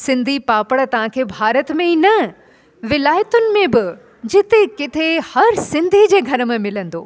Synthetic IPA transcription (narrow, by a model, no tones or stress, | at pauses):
sɪ̃nd̪ʱipaːpəɽt̪ɐʋ̤ãkʰeːbʱaːɾət̪mẽiːnɐ | ʋɪlaːjət̪ʊnɪ̆mẽbɪ | d͡ʑɪt̪ekɪt̪ʰehɐɾsɪ̃nd̪ʱid͡ʑeːɡʱɐɾəmẽmɪlə̃nd̪o̰ː